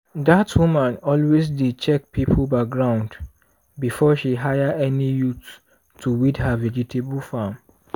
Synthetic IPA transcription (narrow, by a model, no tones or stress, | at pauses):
datʰwumãnɔlwezdid̚t͡ʃɛk̚pʰipʰlbak̚ɡɹãʊ̃nd | bifɔʃiɦajəɛnijut | tʰːuwidhavɛd͡ʒitʰeblfam